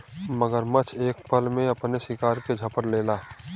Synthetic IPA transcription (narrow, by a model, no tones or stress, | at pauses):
məɡəɾmət͡ʃʰeːk̚pəlmẽɐpnesɪkaːɾked͡ʒʱəpəɾleːlaː